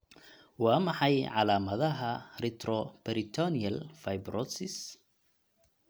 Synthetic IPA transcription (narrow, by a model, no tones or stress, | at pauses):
wɑːmɑħɑjʕɑ̰laːmɐðɐɦɐrɪt̪ʰrɔpɛɾɪt̪ʰɔniɐlfajbrɔsɪs